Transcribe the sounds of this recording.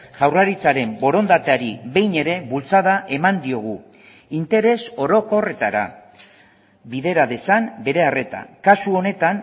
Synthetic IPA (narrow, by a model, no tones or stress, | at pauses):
ʝawraɾit͡saɾe̞mbo̞ɾo̞nd̪at̪e̞aɾiβe̞jne̞ɾe̞βult͡sað̞aʔe̞mand̪io̞ɣ̞u | int̪e̞ɾe̞so̞ɾo̞ko̞re̞t̪aɾa̰ | βiðe̞ɾaðe̞sambe̞ɾe̞are̞t̪a̰kasuo̞ne̞t̪an